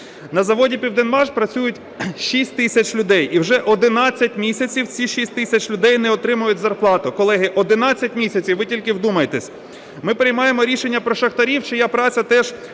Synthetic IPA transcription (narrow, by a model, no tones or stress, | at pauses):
nɐzɐʋɔdʲipʲiwd̪enmɑʒpɾɐt͡sʲujʊtʲ | ʃisʲtʲt̪ɪsʲɐt͡ʃʲlʲʊd̪ɛjʔiwʒɛʔɔd̪ɪnɑt͡sʲːɐtʲmʲisʲɐt͡sʲiwt͡sʲiʃisʲtʲt̪ɪsʲɐt͡ʃlʲʊd̪ɛjnɛɔt̪ɾɪmʊjʊtʲzɐrplˠɑt̪ʊkɔlˠɛɦɪʔɔd̪ɪnɑt͡sʲːɐtʲmʲisʲɐt͡sʲiwʋɪtʲilʲkɪwd̪umɐjet̪ɛsʲ | mɪpeɾɪjmɑjemɔɾʲiʃenʲːɐpɾɔʃɐxt̪ɐɾʲiwt͡ʃɪjapɾɑt͡sʲɐt̪ɛʒ